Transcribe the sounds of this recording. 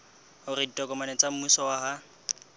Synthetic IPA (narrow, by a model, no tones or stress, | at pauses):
ʊriditʼɔkʼɔmanɛt͡sʼam̩musɔwaha